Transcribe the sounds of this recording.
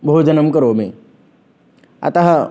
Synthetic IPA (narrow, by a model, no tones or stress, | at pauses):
bʱoɦud͡ʒənəmkəɾome | a̰t̪aɦa